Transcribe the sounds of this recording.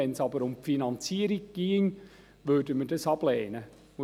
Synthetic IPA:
ɛnsɑbəɾʊmpfinɑnt͡siəɾiɡ̚ɡ̥iəŋ | ʋødəmədɑsɑb̥lɛːnə

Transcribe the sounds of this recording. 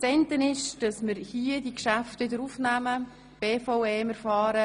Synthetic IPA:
t͡sɛntənɪʃd̥ɑsməɾhiːədikʃæftʋɪdəɾufnæmə | b̥eːfɔʊeːməɾfɑːɾə

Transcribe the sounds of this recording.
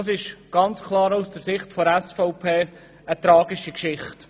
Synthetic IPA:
sɪʃɡ̥ɑnt͡skʰlˠɑːɾaʊsd̥əɾsɪχtfoɾɛsfɔʊpʰeː | ət̪ɾɑːɡiʃikʃɪχt

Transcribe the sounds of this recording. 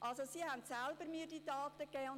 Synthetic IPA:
ʔɑlsosiːhæntsælb̥əɾmiːdiːtɑːt̪əkɛːʊn

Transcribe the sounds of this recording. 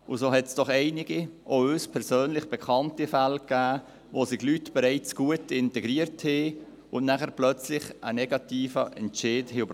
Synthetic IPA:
ʊsoːɦɛtsd̥ɔχɛɪnɪɡiʔoøːspʰɛɾsøːnlɪχb̥ɛkʰɑntifælkːæː | ʋoːsɪɡlytb̥ɛɾɛɪt͡sɡ̥uətɪntɛɡɾiəɾthe | ʊnnæχəɾplœt͡slɪχənɛɡɑtiːfəʔɛntʃɪːdhɪʊb

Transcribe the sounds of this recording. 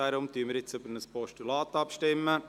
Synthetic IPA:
æɾʊmt̪yːəməɾɪt͡søbənəspɔʃtulɑːt̪ɑpʃtɪmːə

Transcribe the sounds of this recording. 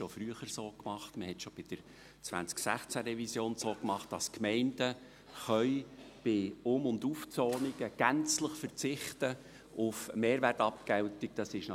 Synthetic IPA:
ʃofɾyəχəɾsoːkmɑχtməhɛtʃob̥ɪd̥əɾ | t͡sʋæ̰nt͡sksæ̰χt͡sæɾɛvisjoːnsoːkmɑχt̚d̥ɑskmɛɪnd̥ə | χœʏ | b̥ɪʊmʊnd̪uft͡soːniɡ̥əɡ̥ænt͡sləχfəɾt͡sɪχtə | ʊfmeːɾʋærtɑpkɛwtik̚d̥ɑsɪʃnɑ

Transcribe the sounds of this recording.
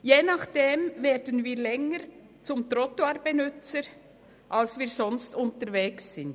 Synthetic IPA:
jeːnaχd̥eːmveːɾdənviːɾlɛŋəɾ | t͡sʊmt̪ɾɔtoaɾbenʏt͡səɾ | ʔalsviːɾzɔnstʊntəɾveːksːɪnd

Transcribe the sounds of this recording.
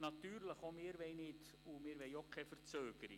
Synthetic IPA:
nɑt̪yːɾləχomɪːɾʋɛɪnɪd | umɪːɾʋɛɪokʰɛfərt͡søːɡ̥əɾḭ

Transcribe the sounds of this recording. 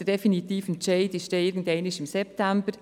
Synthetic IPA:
ədɛfinitiːfənt͡ʃɛɪdɪʃdɛɪɾɡn̩dɛɪnɪʃɪmsɛp̚tæmbəɾ

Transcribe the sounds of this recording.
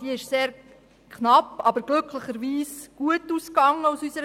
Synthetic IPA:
d̥iɪʃseːɾ | kχnɑpːɑbəɾɡ̥lɵkʰləχəɾʋiːsɡ̥uətːuːskɑŋːəusysəɾ

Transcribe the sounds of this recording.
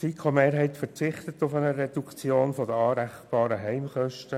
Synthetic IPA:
sikʰomeːɾɦɛɪtfəɾt͡sɪχt̪ət̪ʊfɛnəɾedukt͡sjoːnfɔdəɑːɾæχb̥ɑːɾəɦɛɪmχœʃtə

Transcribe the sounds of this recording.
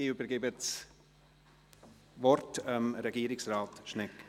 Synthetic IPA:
ɪybəɾɡebəs | vɔrtəmɾɛɡiːɾɪksraːtʃnɛk

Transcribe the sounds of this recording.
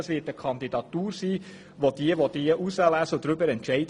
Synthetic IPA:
əsʋɪːtəkʰɑnd̪idɑt̪uːɾsiː | ʋod̥̪iəʋod̥̪iəʔusəlæːsəd̪ɾʏbəɾɛntʃɛɪd

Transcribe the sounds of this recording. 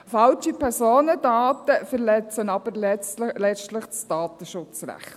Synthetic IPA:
fɑlt͡ʃipʰɛɾsoːnədaːt̪əfəɾlɛt͡sənɑbəɾllɛstləχt͡sd̥ɑːt̪əʃʊt͡sɾæ̰χt̪

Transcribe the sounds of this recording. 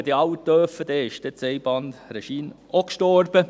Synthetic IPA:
d̥̪iɑwt̪ːœːfəd̥̪ɛːɪʃd̥ɛt͡sɛɪb̥ɑndrɛʃiːn | okʃtɔɾb̥ə

